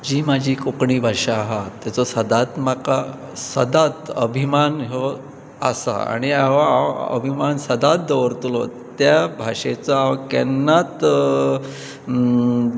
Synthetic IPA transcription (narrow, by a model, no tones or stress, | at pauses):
d͡ʑiːmad͡ʑʱiːkokɳiːbʱaʂaːɦat̪ːjat͡sɔsəd̪at̪maka | səd̪at̪əbʱimanɦɔ | asa̰a̰ɽ̃iaʋaaə̰bʱimansəd̪at̪̚d̪əʋəɾt̪lɔ | t̪jabʱaʂet͡sɔaʋkɛ̰nːat̪